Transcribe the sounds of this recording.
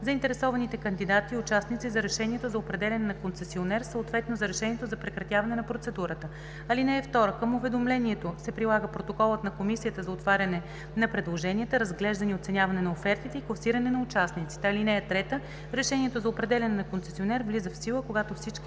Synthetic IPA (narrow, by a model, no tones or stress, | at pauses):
zɐint̪ɛɾɛsɔvɐnit̪ɛkənd̪id̪at̪iʊt͡ʃasnit̪sizɐɾɛʃɛniɛt̪ozɐopɾɛd̪ɛlʲɐnɛnɐkont̪sɛsionɛɾsəot̪vɛt̪nozɐɾɛʃɛniɛt̪ozɐpɾɛkɾɐt̪ʲjavɐnɛnɐpɾot̪sɛd̪uɾət̪ə | ɐlinɛɛft̪ɔɾəkəmʊvɛd̪omlɛniɛt̪osɛpɾilˠaɡəpɾot̪okɔlˠət̪nɐkomisijət̪əzɐot̪vaɾʲɐnɛ | nɐpɾɛd̪lˠoʒɛnʲiət̪əɾəzɡlɛʒd̪ɐniot̪sɛnʲjavɐnɛnɐofɛɾt̪it̪ɛiklˠɐsiɾɐnɛnɐʊt͡ʃasnit̪si̥t̪ɛɐlinɛɛt̪ɾɛt̪ə | ɾɛʃɛnʲiɛt̪ozɐopɾɛd̪ɛlʲɐnɛnɐkontsɛsionɛɾvlizəfsilˠəkoɡat̪ofsit͡ʃki